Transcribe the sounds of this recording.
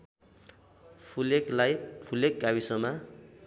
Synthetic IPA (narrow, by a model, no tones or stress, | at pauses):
pʰuleklajpʰulekɡawisʌma